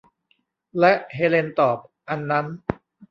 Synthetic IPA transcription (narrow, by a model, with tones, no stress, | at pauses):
lɛ˦˥ʔheː˧le˧nt̪ɔː˨˩p̚ʔa˧nːa˦˥n